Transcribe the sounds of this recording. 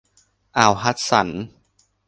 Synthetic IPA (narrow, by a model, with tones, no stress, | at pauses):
ʔaː˨˩wɦa˦˥t̪̚sa̰˩˦n